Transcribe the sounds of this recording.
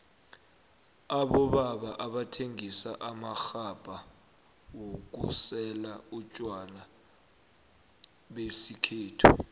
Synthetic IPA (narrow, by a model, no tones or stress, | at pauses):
aɓɔɓaɓaʔaɓatʰeŋisaʔamaxab̥ʼʱa | wok̬ṵsɛlaut͡ʃʼwala | ɓesikʰeːtʰu